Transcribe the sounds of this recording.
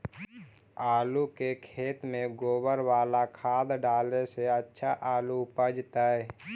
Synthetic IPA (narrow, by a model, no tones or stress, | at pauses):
aːlukekʰeːt̪mẽɡoːbəɾwaːlakʰaːd̪ɖaːleseətːʃʰaʔaːlupəd͡ʒt̪aːɦɛː